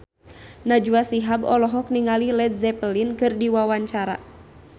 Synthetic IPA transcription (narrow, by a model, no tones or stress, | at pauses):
nad͡ʒuasiɦabɔlɔɦɔk̚niŋalilɛd̪̚zɛpəlinkɨrdiwawaɲt͡ʃaɾa̰